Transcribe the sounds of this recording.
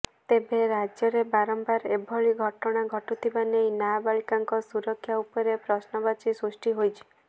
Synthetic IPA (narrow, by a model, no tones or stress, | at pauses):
t̪ebeɾad͡ʒjɔɾebaɾɔmbaɾebʱɔɭiɡʱɔʈɔɽ̃aɡʱɔʈut̪ʰibanejnabaɭikaŋkɔsuɾɔkʰːjaupɔɾepɾɔsnɔbat͡ʃisɾusʈiɦojt͡ʃʰi̥